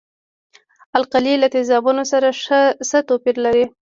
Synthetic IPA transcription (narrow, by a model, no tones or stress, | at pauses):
alqalilat̪ɪzɑbunosaɾaʂsət̪opiɾlaɾi